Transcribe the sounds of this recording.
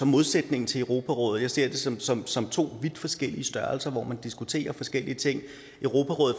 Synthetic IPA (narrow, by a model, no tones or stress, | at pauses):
ɒ̽mo̝ð̞ˠsed̥ne̝ŋn̩t͡sʰe̝əʊʁo̝pʰæʁɔ̽ːð̩ˠjɑ̈ɪse̝ɐ̰d̥e̝sɒmsɒ̽msɒ̽mt͡sʰo̝̰ːʋid̥fɒ̽sɡ̥el̰iəsd̥ɶɐlsɐʋɒ̰mænd̥isɡ̥ut͡sʰe̝̰ːɐfɒ̽sɡ̥el̰iət͡sʰe̝ŋ̰ | ʔøʊʁo̝ːpʰæʁɔ̽ːð̩ˠ